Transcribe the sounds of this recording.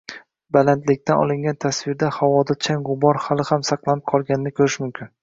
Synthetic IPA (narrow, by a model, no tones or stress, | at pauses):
balant̪lɪk̚ʲt̪ʰanɒ̰lˠɪŋɡʲant̪ʰasvɪɾd̪ahawɒd̪at͡ʃʰaŋɡʊbɒɾhalˠɪhamsɑqlˠanɪp̚qʰɒlˠɡʲanɪnɪkʰɵɾɪʃmʊmkʲʰɪn